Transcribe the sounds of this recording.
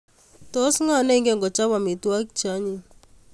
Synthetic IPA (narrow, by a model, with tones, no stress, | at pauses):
tɔ˦sŋa˦˨nɛ˦ŋɡɛ˦˨ŋɡɔ˨t͡ʃa˦wa˨mi˨twa˦kt͡ʃa˦ɲi˨